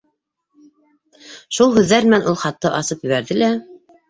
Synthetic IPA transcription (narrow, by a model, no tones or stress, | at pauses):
ʃulˠhʉðːæɾmɘ̆nænʔulˠχɑt̪ːɤʔɑsɤpjɵ̆βæɾðɘlæ